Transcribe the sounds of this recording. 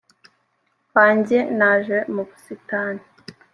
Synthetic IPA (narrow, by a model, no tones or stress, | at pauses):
βaːɲɟenaʒemuβusitaːni